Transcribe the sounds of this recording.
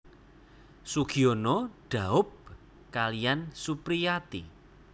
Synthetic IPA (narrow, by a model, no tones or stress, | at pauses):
suɡ̥ionɔɖ̥a̤ʊb̚ | kalijansupɾijat̪i